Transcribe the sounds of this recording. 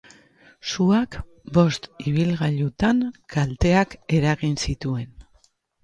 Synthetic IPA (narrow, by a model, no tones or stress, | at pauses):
suak | bo̞st̪iβ̞ilɣaʎut̪aŋkalt̪e̞ake̞ɾaɣinsit̪ue̞n